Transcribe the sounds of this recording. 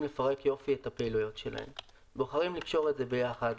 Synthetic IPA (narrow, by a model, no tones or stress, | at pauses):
mle̞faʁe̞kjo̞fietapeilujo̞tʃe̞la̰ḛm | boχaʁimlikʃo̞ʁetze̞be̞jaχad